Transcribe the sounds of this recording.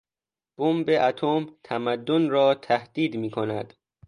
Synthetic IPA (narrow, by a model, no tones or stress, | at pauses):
b̥ombeʔæt̪ʰomt̪ʰæmæd̪ːonɾɒːt̪ʰæhd̪̥iːd̪miːkʰonæd̪̥